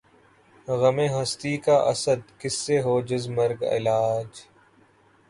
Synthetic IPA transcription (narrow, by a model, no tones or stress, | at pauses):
ɣəmẽːɦəst̪iːkaːʔəsəd̪kɪsːeːɦoːd͡ʒɪzməɾɡɪ̰laːd͡ʒ